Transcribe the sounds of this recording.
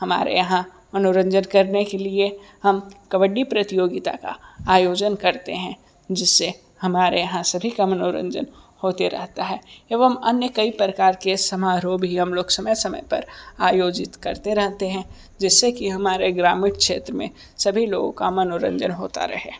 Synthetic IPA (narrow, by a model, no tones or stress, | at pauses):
hɐma̰ːɾḛjɐɦã | mɐnoɾə̃ɲd͡ʒənkɐɾnekelie | hɐmkɐʋəɖːipɾɐt̪ɪjoːɡɪt̪a̰ka̰aːjoːd͡ʒənkɐɾt̪ḛɦɛ̃ | d͡ʒɪsːe | hɐmaːɾejɐɦãsɐbʱikamɐnoːɾə̰̃ɲd͡ʒə̰nhoːt̪eɾɐ̰ɦt̪aɦɛːeːʋəmɐnjəkɐipɾəkaːɾkesɐmaːɾobʱiɦɐmloːksɐməjsɐmə̰jpɐ̰ɾaːjoːd͡ʒɪt̪kɐɾt̪eɾɐɦt̪eɦɛ̃ | d͡ʒɛsːekiɦɐmaːɾeɡɾaːmiːɽkʃeːt̪ɾəmḛ̃ | sɐbʱiloːɡõ̰kamɐnoɾə̰̃ɲd͡ʒənɦoːt̪a̰ɾɐ̰ɦḛː